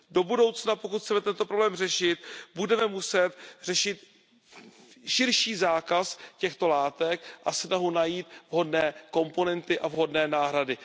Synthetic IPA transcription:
do̞budo̞wt͡snapokut̪xt͡sɛmɛt̪ɛnt̪o̞pɾoblɛːmrɛʃɪt̪budɛmɛmusɛt̪r̝ɛʃɪt̪ | ʃɪɾʃiːzaːkascɛxt̪o̞laːt̪ɛkʔasnaɦunajiːt̪vɦo̞dnɛːko̞mpo̞nɛnt̪ɪʔavɦo̞dnɛːnaːɦɾadɪ

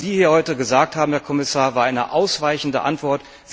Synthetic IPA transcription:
ziːhiːɐhɔʏtəɡəzaːk̚tʰhaːbm̩hɛɐkʰɔmɪsaːɐvaːɐʔaɪnə̰ʔaʊsv̥aɪçn̩də̰ʔa̰ntv̥ɔɐt | z̥

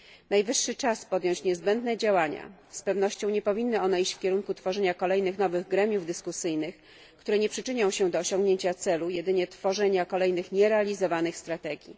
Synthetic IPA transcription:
najvɘʂːɘt͡ʂaspɔd̪jɔ̃ɲ̃t͡ɕɲɛzbɛnd̪nɛd͡ʑawaɲa̰spɛvn̪ɔɕt͡ɕɔ̃w̃ɲɛpɔvʲinːɘɔnɛit͡ɕfkʲɛɾuŋkut̪fɔʐɛɲakɔlɛjnɘxnɔvɘɣɡɾɛmʲjuvd̪ɘskusɘjnɘx | kt̪uɾɛɲɛpʂɘt͡ʂɘɲɔ̃w̃ɕɛd̪ɔːɕɔ̃ŋɡɲeɲt͡ɕat̪sɛlujɛd̪ɘɲɛt̪fɔʐɛɲakɔlɛjnɘxɲɛɾɛalʲizɔvanɘxst̪ɾat̪ɛɡʲḭ

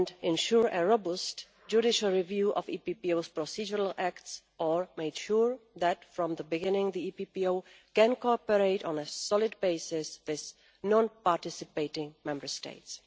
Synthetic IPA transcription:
ndɪ̃nʃuɹəɹobʊst | d͡ʒuɾɪʃəl̩ˠɹivjuʔɔ̰vḭpipioʊspɹɔsid͡ʒəɹəl̩ækts | ʔəɹmeɪd̥ʃuɹðætfɹɔ̃mðəbɪɡɪ̃nɪ̃ŋðiipipioʊkɛ̃nkɔpəɹeɪɾɔ̃nəsɔlˠɪd̚beɪsɪswɪz | nɔ̃npaɹtɪsɨpeɪɾɪ̃ŋmɛ̃mbə˞stḛɪts

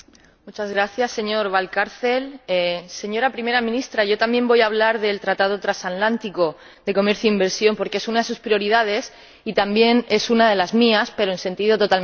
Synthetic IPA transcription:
mut͡ʃazɣɾaθjasːe̞ɲo̞ɾβ̞alkaɾθe̞lese̞ɲo̞ɾapɾime̞ɾamĩnist̪ɾaʝo̞t̪ambjẽ̞mbo̞jaβ̞laɾðe̞lt̪ɾat̪að̞o̞t̪ɾasat̪lant̪iko̞ | d̪e̞ko̞meɾθjoimbe̞ɾsjo̞mpo̞ɾke̞e̞sunaðe̞s̬uspɾio̞ɾiðað̞e̞s | it̪ambje̞ne̞sunað̞e̞lazmiaspe̞ɾo̞e̞nse̞nt̪iðo̞t̪o̞t̪al

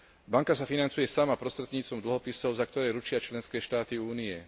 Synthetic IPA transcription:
baŋkasafinant͡sujɛsamapɾɔst̪ɾɛt̪ɲiːt͡s̪ɔmd̪l̩ɦɔpisɔʊzak̚t̪ɔɾɛːɾut͡ʃɪat͡ʃlɛnskɛːʃt̪aːt̪iuːnijɛ

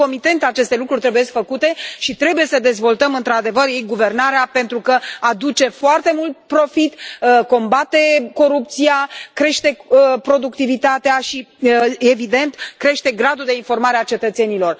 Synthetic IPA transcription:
o̞mit̪e̞nt̪at͡ʃe̞st̪e̞lukɾurʲt̪ɾebuje̞sʲkfəkut̪e̞ʃit̪ɾe̞buje̞səd̪e̞zvo̞lt̪əmɨnt̪ɾad̪e̞vərjejɡuve̞rnaɾeape̞nt̪ɾukəad̪ut͡ʃe̞foart̪e̞mult̪̚pɾo̞fit̪əko̞mbat̪e̞ko̞ɾup̚t̪siakɾe̞ʃt̪e̞pɾo̞d̪ukt̪ivit̪at̪eaʃievid̪e̞nt̪kɾe̞ʃt̪e̞ɡɾad̪ud̪e̞info̞rmaɾeat͡ʃe̞t̪ət̪se̞nilo̞r

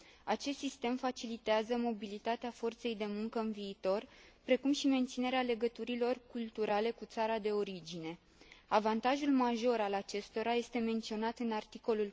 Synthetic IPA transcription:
at͡ʃest̪sist̪e̞mfat͡ʃilit̪eazəmo̞bilit̪at̪eafo̞rt̪se̞jd̪e̞muŋkəɨnviːt̪o̞rpɾe̞kumʃime̞nt̪sine̞ɾeale̞ɡət̪uɾilo̞rkult̪uɾʔale̞kut̪saɾad̪e̞o̞ɾid͡ʒine̞ | avant̪aʒulmaʒo̞ɾalat͡ʃe̞st̪o̞ɾaje̞st̪e̞me̞nt̪sio̞nat̪ɨnart̪iko̞lul

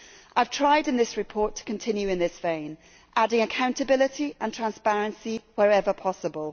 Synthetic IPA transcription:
ʔaɪv̥tʰɹ̥aɪdɪ̃nðɪsɹɪpʰɔˑtʰə̥kʰə̃ntʰɪ̃njʉɪ̃nðɪsv̥ẽɪ̃n | ʔadɪ̃ŋəkʰãʊ̃ntəbɪlɪtiʔə̃ntʰɹ̥ãnspaɹə̃nsiwəɹɛvəpʰɒsəbəlˠ

